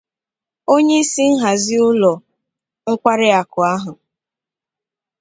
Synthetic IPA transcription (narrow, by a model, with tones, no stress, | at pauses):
o˦ɲe˦i˦si˦n̩˦ɦa˨zɪ˦ʊ˦lɔ˨ | ŋ̩˦kʷa˦ɾɪ˦a˨kʊ˨a˦ɦʊ˨